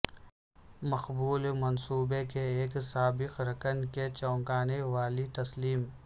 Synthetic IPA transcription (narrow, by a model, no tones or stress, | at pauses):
mɐxbuːlmɐnsuːbekeeːksaːbɪqɾɐkənket͡ʃɔ̃ːŋkaːneʋaːlit̪ɐsliːm